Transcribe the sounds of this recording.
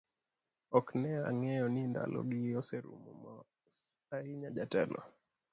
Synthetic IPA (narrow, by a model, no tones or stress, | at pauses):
ɔknɛaŋɛɔninda̰lɔ̰ɡiɔsɛɾṵmumɔ | s | aiɲaʄatɛnʔɔ̰